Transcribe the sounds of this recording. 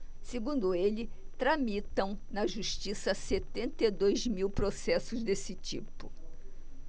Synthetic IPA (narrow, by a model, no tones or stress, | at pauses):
seɡũnd̪ʊelɪt̪ɾamit̪ɐ̃w̃nɐʒuʃt͡ʃisɐset̪ẽnt̪id̪ojzmiwpɾosɛsʊzd̪esɪt͡ʃḭpʊ